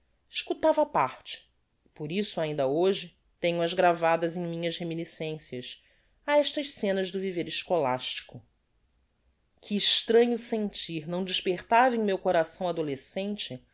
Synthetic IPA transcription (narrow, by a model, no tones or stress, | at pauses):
iʃkut̪avɐpaɾt͡ʃɪ̥ | poɾisʊaĩnd̪ɐoʒɪ | t̪ẽɲʊɐzɡɾavad̪ɐzẽj̃mĩɲɐʃheminisẽsiɐʃ | aɛʃt̪ɐʃsẽnɐʒd̪ʊviveɾiʃkola̰ʃt͡ʃi̥kʊ | kʰɪːʃt̪ɾɐ̃ɲʊsẽnt͡ʃiɾnɐ̃w̃d͡ʒɪʃpeχt̪avẽj̃mewkoɾasɐ̃w̃ad̪olesẽnt͡ʃɪ